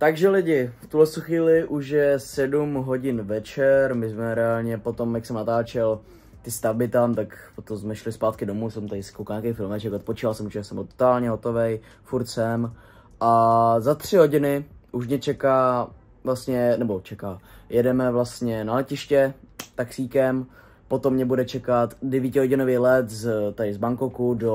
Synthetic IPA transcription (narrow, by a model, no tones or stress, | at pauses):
t̪aɡʒɛlɪɟɪft̪uɦlɛt͡sst̪uxviːlɪʔuʃjɛsɛdumɦo̞ɟɪnvɛt͡ʃɛɾmɪzmɛɾɛaːlɲɛpo̞t̪o̞mjaksɛmnat̪aːt͡ʃɛl | t̪ɪst̪abɪt̪amt̪akpot̪omsmɛʃlɪspaːt̪kɪdo̞muːsomt̪aɪsɪ̥kowkɲaːkɛjfɪlmɛt͡ʃɛkot̪̚pot͡ʃiːvalsɛmut͡ʃɛasɛmot̪t̪aːlɲɛɦo̞t̪o̞vɛj | fuɾt̪sɛm | ʔazat̪r̝̥ɪɦo̞ɟɪnɪʔuʃ̬mɲɛt͡ʃɛkaː | vlast̪ɲɛnɛbot͡ʃɛkaːjɛdɛmɛvlast̪ɲɛnalɛcɪʃcɛt̪aksiːkɛm | po̞t̪omɲɛbudɛt͡ʃɛkat̪dɛviːcɪɦo̞ɟɪnoviːlɛt̪zt̪aɪzbaŋkokudo